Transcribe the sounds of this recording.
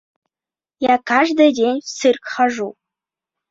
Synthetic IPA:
jakaʐd̪ɤdʲenʲsɨrkχɑʐu

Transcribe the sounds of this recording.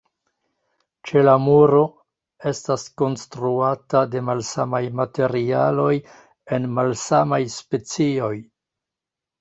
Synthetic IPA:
t͡ʃe̞lamuɾo̞ | e̞stasko̞nstɾuatade̞malsamajmate̞ɾialo̞j | e̞nmalsamajspe̞t͡sio̞j

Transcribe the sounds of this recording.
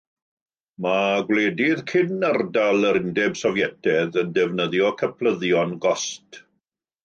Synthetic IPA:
maɡwleːdɪðkʰɪnardalˠəɾɪndɛb̥sɔvjɛtʰɛðəndɛvnəðjɔkʰəpʰlˠəðjɔnɡɔst

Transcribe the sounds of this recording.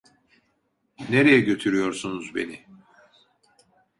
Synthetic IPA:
neɾejɛɟø̞t̪ʰyɾyjo̞ɾsunuzbe̞̰ni

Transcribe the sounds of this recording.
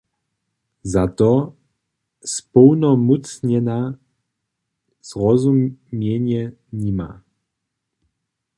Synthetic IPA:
zat̪ɔ | spɔwnɔmut͡sɲɛna | z̥ʁɔzummjɛɲɛ | ɲima̰

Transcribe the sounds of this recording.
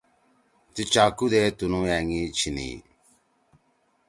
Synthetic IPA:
t̪it͡ʃaːkud̪eːt̪unũːjɛːŋit͡ʃʰinḭː

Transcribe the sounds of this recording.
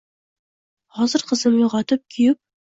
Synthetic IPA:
hɒzəɾqə̆zəmjuʁɑt̪ɤp̚kʲʰijɪp̚

